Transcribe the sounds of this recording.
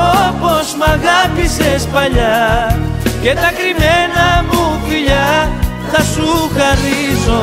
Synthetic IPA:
opozmaɣapisespaʎa | ket̪akɾimenamuβiʎa | ðasukarizo

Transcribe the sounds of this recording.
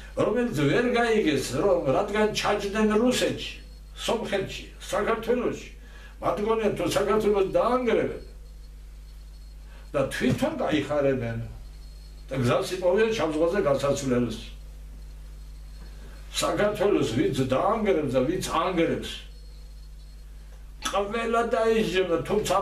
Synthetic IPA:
ɾɔmɛlit͡sʰvɛɾɡaiɡɛsʰɾɔɾat̪ɡant͡ʃʰat͡ʃʼnɛnɾusɛt͡ʃʰi̥ | sɔmχɛt̪t͡ʃʰi̥ | sakʰaɾt̪ʰwɛlɔʃi̥ | mat̪ɡɔnɛnt̪ʰɔsakʰaɾt̪ʰwɛlɔsd̪aːŋɡɾɛvɛ̰ | d̪̥at̪ʰwit̪ʰɔnk̪ʼaiχaɾɛnɛn | d̪̥aɡzasip̪ʼɔviɛnʃamzʁwazɛɡasat̪sʰvlɛls | sakʰaɾt̪ʰwɛlɔsvint̪sʰd̪aːŋɡɾɛpsd̪avint̪sʰaŋɡɾɛps | qʼvɛlad̪aizd͡ʒɛmat̪ʰumt̪sʰa

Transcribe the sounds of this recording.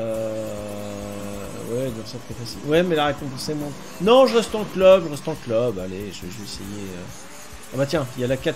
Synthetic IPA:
ø | wɛbjɛ̃syʁt̪ʰɛfasilwɛmɛlaʁekɔ̃pɑ̃sɛmɑ̃t̪ | nɔ̃ʒəʁɛst̪ɑ̃klœbʒəʁɛst̪ɑ̃klœba̰leʒəvɛʒəvɛesejeø̰ | abat̪jɛ̃iljalakat̪

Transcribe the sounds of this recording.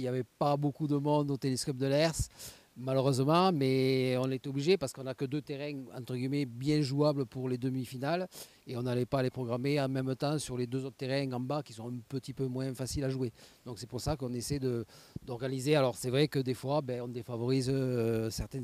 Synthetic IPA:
iljavɛpabokud̪əmɔ̃d̪ot̪eleskɔp̚d̪əlɛʁs | maløʁøzəmɑ̃mɛɔ̃net̪ɔbliʒepaʁsəkɔ̃nakəd̪øt̪eʁɛ̃ɑ̃t̪χəɡimɛbjɛ̃ʒuabləpuʁled̪əmifinal | eɔ̃nalɛpaːlepχɔɡʁameɑ̃mɛmt̪ɑ̃syʁled̪øzɔt̪χət̪eʁɛ̃ɑ̃bakʲi̥sɔ̃ɛ̃pət̪ipømwɛ̃fasilaʒued̪̥ɔ̃ksɛpuʁsakɔ̃nesɛd̪əd̪̥ɔʁɡanizealɔʁsɛvʁɛkəd̪efwabɛɔ̃d̪efavɔʁizsɛʁt̪ɛn

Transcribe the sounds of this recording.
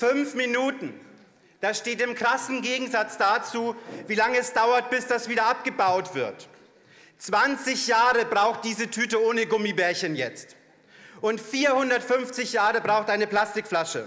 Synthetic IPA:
fʏnfminuːtn̩ | d̥asʃteːtɪmkʁ̥asn̩ɡeːɡŋ̩zat͡sd̥aːt͡suːviːlaŋəɛsd̥aʊɐt̚b̥ɪsd̥asv̥iːdɐʔap̚ɡ̥əbaʊtv̥ɪɐt | t͡sv̥ant͡sɪçjaːʁəbʁaʊxt̚d̥iːzətʰyːtəʔoːnəɡʊmibɛːɐçənjɛt͡st | ʔʊntfiːɐhʊndɐtfʏnft͡sɪçjaːʁəbʁaʊxtʔaɪnəpl̥astɪkflaʃə

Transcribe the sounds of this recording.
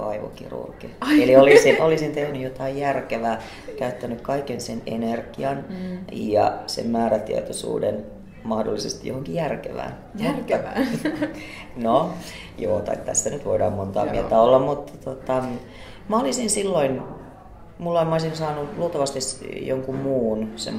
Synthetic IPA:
ɑ̰iʋo̰kḭrṵrkieliolisinʔolisint̪ehnyjot̪ɑijjærkeʋæː | kæyt̪ːænykkɑikensenḛnerɡiɑnjɑ̰sḛmmæːɾæt̪ḭɑt̪osṵːden | mɑhdo̰lːisest̪ijohoŋkijærkḛʋæ̰ːn | r | no | joːt̪ɑ̰itt̪æ̰sːænyt̪ʋoidɑːmmont̪ɑ̰ːmḭelt̪æolːɑmmut̪ːt̪ot̪ɑ | mɑolisinsilːoin | mulːɑimoisinsɑːnuluːt̪ɑʋɑst̪isjoŋkummuːnsḛm

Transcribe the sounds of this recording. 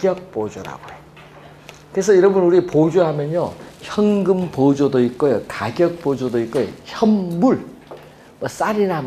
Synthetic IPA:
ɡjʌk̚p͈od͡ʑoɾa̰ɡoe | kɯɾesʰʌiɾʌnbʌnuɾipod͡ʑoɦamjʌɲoçjʌŋɡɯmpod͡ʑodoik͈ojokaɡjʌk̚p͈od͡ʑodoik͈ojo̰çjʌmmuɭ | mʌs͈aɾinam

